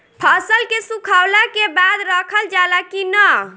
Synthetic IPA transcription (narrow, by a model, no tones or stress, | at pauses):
pʰəsəlkesũkʰawlakebad̪ɾəkʰəld͡ʒalakinə